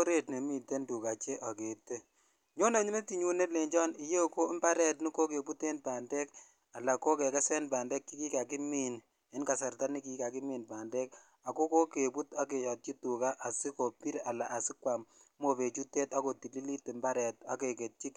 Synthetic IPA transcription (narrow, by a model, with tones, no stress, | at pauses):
o˦ɾe˦˨tne˨mi˨te˦ndu˨ka˨t͡ʃe˦ʔɔ˨ke˨te˦ | ɲo˦ne˨ɲu˦me˦ti˨ɲu˦ne˦tle˨ɲd͡ʒɔ˦ni˨˦je˦ko˦mba˦ɾɛ˦tni˦ko˦ke˨pu˦te˦npa˨ndɛ˦k | a˨la˨ko˦ke˨kɛ˦sɛ˦npaː˨ndɛ˦kːi˦ki˦ka˨ki˦mi˨n | e˦nka˨sa˨rta˦ni˦ki˦ka˨ki˦miː˨npaː˨ndɛ˦k | a˨ko˦ko˦ke˨pu˦ta˦ke˨jɔ˨t̚t͡ʃi˦tu˨ka˦ʔa˨si˦ko˨pi˦ɾa˨la˨ʔa˨sɪ˦kwa˨mmo˨pe˨t͡ʃu˦te˦ta˦ko˨ti˨li˦li˦te˨mba˦ɾɛ˨ta̰˦ke˨ke˨t̚t͡ʃi˦k